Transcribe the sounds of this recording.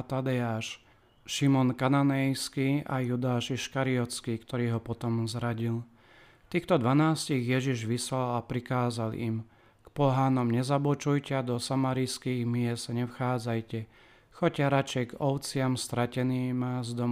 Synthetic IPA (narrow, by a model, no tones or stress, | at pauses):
t̪ad̪ɛaːʃ | ʃimɔnkananɛjskiːʔajud̪aːʃɛʃkaɾiɔt͡skiːkt̪ɔɾiːɦɔpɔt̪ɔmzɾaɟil | t̪iːxt̪ɔd̪ʋanaːsciɣjɛʒiʒʋislalapɾikaːzalḭm | kpɔɦaːnɔmɲɛzabɔt͡ʃujcɛad̪ɔsamaːɾiskiːɣmɪɛstɲɛfxaːd͡zajcɛ | xɔcaɾat͡ʃɛjɡɔʊt͡sɪamst̪ɾacɛniːmazd̪ɔm